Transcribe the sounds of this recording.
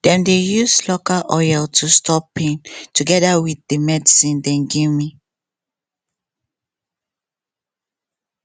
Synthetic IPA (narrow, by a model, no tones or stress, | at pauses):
d̥ɛ̃mdejuslokalʔɔɪɛltʰustʰɔpːẽntuɡɛdawiθdəmɛdisĩndɛ̃nɡivmi